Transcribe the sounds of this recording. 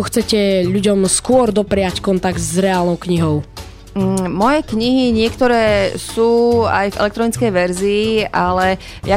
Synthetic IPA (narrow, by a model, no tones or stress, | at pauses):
ɔxt͡sɛcɛʎuɟɔmskʊɔɾd̪ɔpɾɛjackɔnt̪aɡd̪zɾɛaːlnɔʊkɲiɦɔʊ | mɔjɛkɲiɦiɲɪɛkt̪ɔɾɛːsuːa̰jvɛ̰lɛkt̪ɾɔnit͡skɛjʋɛɾziːʔalɛ | ja